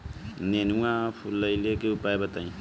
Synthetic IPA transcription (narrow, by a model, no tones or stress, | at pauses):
nenuãpʰulːəjlekeupaebət̪aĩ